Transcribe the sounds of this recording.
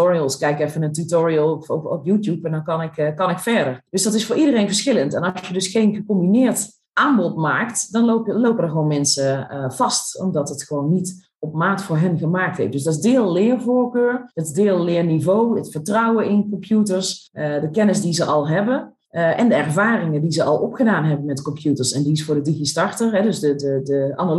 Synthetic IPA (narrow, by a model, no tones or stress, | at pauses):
oɹiəlˠskɛjkɛfənəntutoɹiəlˠɔɔpjutjupɛndɔnkɑnɪkkɑnɪkfɛɹdəɹd̥øsdɑtɪsfʊːɹidərejnvəɹsxɪləntɛnɑsjədɵsxejnɣəkɔmbinɪːɹt | ʔaːmbɔtmaːktdɔnloplowpədəxoːnmɛnsəv̥ɑstɔ̰mdɔtətxəʋoːnːit | ɔp̚maːtfʊːɹɦɛnɣəmaːk̚tḛf̚døsdɔzdɪːlˠlɪːrvʊːɹkøːrdədɪːlˠlɪːrnivowətfəɹtrʌwəɪnkɔmpʰjutəɹsədəkɛnəsdizəʔɑlˠɦɛbə | ʔɛndəɛrvaːrɪŋədizəʔɑlˠʔɔpxədaːnɦɛbənmɛtkɔmpʰjutəɹsɛndiɪsfʊːɹdədiɣistɑɹtəɹɦɛdøsdədədəanə